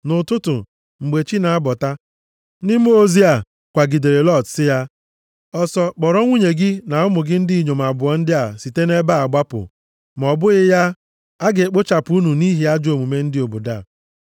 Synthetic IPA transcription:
nʊ˨tʊ˦tʊ̰˨ | ŋ͡m̩˨ɡ͡be˨t͡ʃi˦na˨a˦bɔ˨ta˦ | nɪ˦m˦o˦zi˦a˨ | kʷa˨ɡi˨de˨ɾe˨lɔ˦˨tsɪ˦ja˦ | ɔ˦sɔ˦k͡pɔ˨ɾɔ˦ŋʷu˦ɲe˨ɡɪ˦na˨ʊ˦mʊ˨ɡɪ˦n̩˦dɪ˦i˨ɲo˨m̩˨a˨bʊ˨ɔ˨n̩˦dɪ˦a˨si˨te˦ne˦ba˦a˨ɡ͡ba˦pʊ̰˨ | m˨ɔ˨bʊ˦ɣɪ˦ja˦ | a˦ɡe˨k͡po˦t͡ʃa˨pʊ˨u˦nu˨ni˦ɦi˦a˦d͡ʒo˨mu˨me˦n̩˦dɪ˦o˨bo˨da˦˨

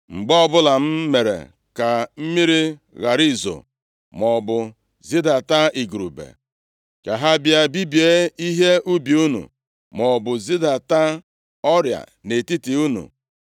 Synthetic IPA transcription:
ŋ͡m̩˨ɡ͡bɔ˦bʊ˦la˨m̩˦me˨ɾḛ˨ | ka˨m̩˦mi˦ɾi˦ | ɣa˨ɾi˦˨zo̰˨ | mɔ˨bʊ˨ | zi˦da˨ta˦i˨ɡɾu˨bḛ˨ | ka˨ɦa˦bja˦bi˦bi˨e˦i˦ɦe˦u˦bi˨u˦nṵ˨ | mɔ˨bʊ˨zi˦da˨ta˦ | ɔ˦ɾja̰˨ne˨ti˦ti˨u˦nṵ˨

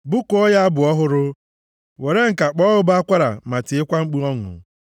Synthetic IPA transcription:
bʊ˦kʊ˨ɔ˦ja˦a˦bʊ˨ɔ˦ɦʊ˦ɾʊ˦ | we˨ɾe˦ŋ̩˨ka˨k͡pɔ˦ɦʊ˦ba˦kʷa˦ɾa̰˨ma˨tɪ˨ɪ˦kʷa˦ŋ͡m̩˦k͡pu˦ɔ˦ŋʊ̰˨

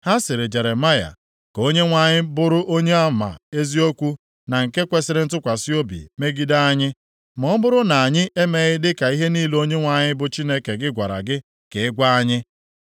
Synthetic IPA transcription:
ha˦sɪ˨ɾɪ˨d͡ʒe˨ɾe˨ma˦ja̰˨ | ko˦ɲe˦ŋʷa˨ɲɪ˦bʊ˦ɾʊ˦ʔo˦ɲe˦a˦˨ma̰˨e˦zi˦o˦kʷu˦ | na˨ŋ̩˨ke˦kʷe˦sɪ˨ɾɪ˦n̩˦tʊ˦kʷa˨si˦o˦bḭ˨me˦ɡi˦da˦a˦ɲɪ˦ | mɔ˦bʊ˦ɾʊ˦na˨a˨ɲɪ˦ʔe˦me˨ɣɪ˦dɪ˦ka˨i˦ɦe˦niː˦lo˦ɲe˦ŋʷa˨ɲɪ˦bʊ˨t͡ʃi˦ne˦ke˨ɡɪ˦ɡʷa˨ɾa̰˨ɡɪ˦ | ke˨ɪ˦ɡʷa˦a˦ɲɪ˦

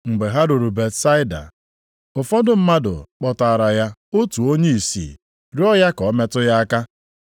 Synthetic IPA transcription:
ŋ͡m̩˨ɡ͡be˨ɦa˦ɾʊ˨ɾu˨be˨tsa˦ɪ˦da̰˨ | ʊ˨fɔ˦dʊ˦m̩˦ma˦dʊ̰˨k͡pɔ˨ta˨ɾa˨ja˦o˦tu˨o˦ɲe˦i˨sḭ˨ | ɾi˦ɔ˦ja˦kɔ˨˦me˦tʊ˦ja˦a˦ka˦

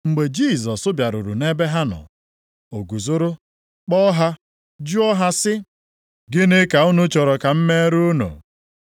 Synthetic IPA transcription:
ŋ͡m̩˨ɡ͡be˨d͡ʒi˦˨zɔ˨sʊ˦bja˨ɾʊ̰˨ɾṵ˨ne˦be˦ɦa˦nɔ̰˨ | o˨ɡu˨zʊ˦ɾʊ˦ | k͡pɔ˦ɦa˦ | d͡ʒu˦ɔ˦ɦa˦sɪ˦ | ɡɪ˦nɪ˦ka˨ʊ˦nʊ˦t͡ʃɔ˨ɾɔ˨ka˨m̩˦me˦ɾu˦no̰˨

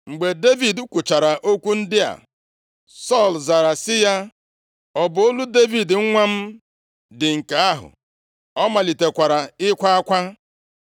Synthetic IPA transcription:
ŋ͡m̩˨ɡ͡be˨de˦vi˨du˦kʷʊ˨t͡ʃa˨ɾa˨ʔo˦kʷu˦n̩˦dɪ˦a̰˨ | sɔ˦˨lza˨ɾa˨sɪ˦ja˦ | ɔ˨bʊ˨o˦lu˦de˦vi˨dŋ̩˦ŋʷa˦m̩˦ | dɪ˨ŋ̩˨ka˨a˦ɦʊ̰˨ | ɔ˦ma˨li˨te˨kʷa˨ɾa˨ɪ˦kʷa˦a˦kʷa˦

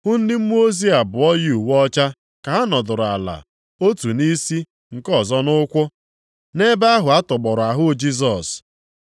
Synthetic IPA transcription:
hʊ˦n̩˦dɪ˦m̩˦m˦o˦zi˦a˨bʊ˨ɔ˦ji˦u˨wɔ˦t͡ʃa˦ | ka˨a˦nɔ˨dʊ˨ɾʊ˨a˨la̰˨ | o˦tu˨ni˦si˦ | ŋ̩˨kɔ˦˨zɔ˦nʊ˦kʷʊ˦ | ne˦ba˦ɦʊ˨a˦tʊ˨ɡ͡bɔ˨ɾʊ˨a˨ɦʊ˦d͡ʒi˦s̬ɔ˨s

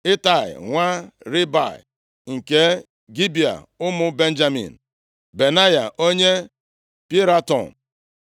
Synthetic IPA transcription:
ɪ˦ta˨ɪ̰˨ŋʷa˦ɾi˦ba̰˨ɪ̰˨ | ŋ̩˨ke˦ | ɡi˦bi˨a̰˨ | ʊ˦mʊ˦be˦n̩˦d͡ʒa˦mḭ˨n̩˨ | be˨na˦ja˨ʔo˦ɲe˦ | pi˦ɾa˦tɔ̰˨n˨

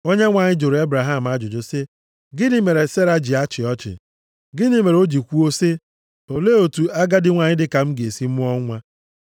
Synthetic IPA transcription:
o˦ɲe˦ŋʷa˨ɲɪ˦d͡ʒo˨ɾe˦bɾa˨ɦa˦˨m̩˨a˦d͡ʒʊ˨d͡ʒo˨se˦ | ɡɪ˦ni˦me˨ɾe˨se˦ɾa˦d͡ʒi˨a˦t͡ʃɪ˨ɔ˦t͡ʃɪ̰˨ | ɡɪ˦ni˦me˨ɾo˦d͡ʒi˨kʷu˦o˦se˦ | o˨le˦o˨tu˨a˦ɡa˦dɪ˦ŋʷa˨ɲɪ˦dɪ˦ka˨m̩˦ɡe˨si˦m̩˦ʊ˦ɔ˦ŋʷa˦

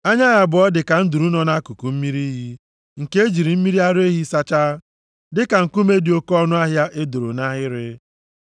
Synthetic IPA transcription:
a˦ɲa˦ɣa˦bʊ˨ɔ˦dɪ˨ka˨n̩˦du˨ɾu˦nɔ˦na˦ku˨ku˨m̩˦mi˦ɾi˦ɦi˦ | ŋ̩˨ke˦e˦d͡ʒi˨ɾi˨m̩˦mi˦ɾi˦a˦ɾe˦ɦi˦sa˦t͡ʃa˦ | dɪ˦ka˨ŋ̩˨ku˦me˦di˨o˦kɔ˦nʊ˦a˦ɦja˦ʔe˦do˨ɾo˨na˦ɦɪ˦ɾɪ˦

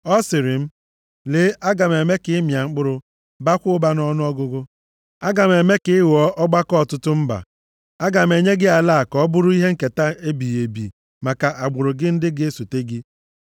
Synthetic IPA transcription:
ɔ˦sɪ˨ɾɪ˨m̩˦ | le˨˦ʔa˦ɡa˨m˨e˨me˦kɪ˨˦ɪ˦mja˨ŋ͡m̩˦k͡pʊ˦ɾʊ˦ | ba˦kʷʊ˦ʊ˦ba˦nɔ˦nʊ˦ɔ˦ɡʊ˦ɡʊ˦ | a˦ɡa˨m˨e˨me˦kɪ˨˦ɪ˦wɔ˦ʔɔ˦ɡ͡ba˦kɔ˦ɔ˨tʊ˦tʊ˦m̩˦ba̰˨ | a˦ɡa˨m̩˨e˨ɲe˦ɡɪ˦a˨la˦a˨kɔ˦bʊ˦ɾʊ˦i˦ɦe˦ŋ̩˦˨ke˨ta˦e˦bi˨je˨bḭ˨ | ma˨ka˨ʔa˨ɡ͡bʊ˨ɾʊ˨ɡɪ˦n̩˦dɪ˦ɡɪ˦su˨te˦ɡi˦

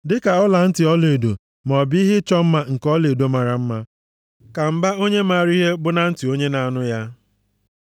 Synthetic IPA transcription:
dɪ˦ka˨ɔ˦la˨n̩˦tɪ˨ɔ˦le˨do˨ | m˨ɔ˨bi˦ɦɪ˦t͡ʃɔ˦m̩˦ma˦ŋ̩˨kɔ˦le˨do˦ma˨ɾa˨m̩˦ma˦ | ka˨m̩˦ba˦o˦ɲe˦ma˨ɾi˦ɦe˦bʊ˦na˨n̩˦tɪ˨o˦ɲe˦na˨a˨nʊ˦ja˦

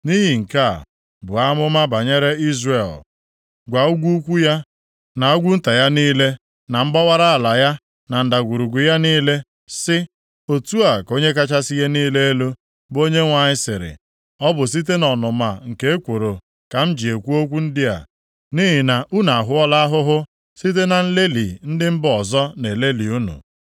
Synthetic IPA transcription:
ni˦ɦi˨ŋ̩˨ka̰˦˨ | bʊ˨a˦mʊ˦ma˦ba˨ɲe˦ɾe˦i˦zre˦˨l | ɡʷa˨u˦ɡʷu˦u˦kʷu˦ja˦ | na˨u˦ɡʷu˦n̩˦ta˨ja˦niː˦le˦ | na˨m̩˦ɡ͡ba˦wa˦ɾa˦a˨la˨ja˦ | na˨n̩˨da˨ɡʷu˨ɾu˨ɡʊ˨ja˦niː˦le˦ | sɪ˦ | o˨tu˦a˨ko˦ɲe˦k̬a˦t͡ʃa˦si˦je˦niː˦le˦e˦lo˦ | bo˦ɲe˦ŋʷa˨ɲɪ˦sɪ˨ɾɪ̰˨ | ɔ˦bʊ˨s̬i˦t̬e˦nɔ˨nʊ˨ma˨ŋ̩˨ke˦e˦kʷo˨ɾo˨ | ka˨m̩˦d͡ʒi˨e˨kʷu˦o˦kʷu˦n̩˦dɪ˦a̰˨ | ni˦ɦɪ˨na˨ʔu˦na˨a˨ɦʊ˦ɔ˦la˦a˦ɦʊ˦ɦʊ˦ | si˦t̬e˦na˨n̩˦le˦lḭ˨n̩˦dɪ˦m̩˦bɔ˨zɔ˦ne˨le˦li˨u˦nṵ˨

